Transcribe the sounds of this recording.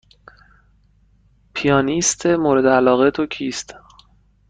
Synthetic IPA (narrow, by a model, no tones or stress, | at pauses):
pʰijɒːniːst̪ʰemoːɾe̞d̪eælɒːɣe̞t̪ʰo̞cʰiːst̪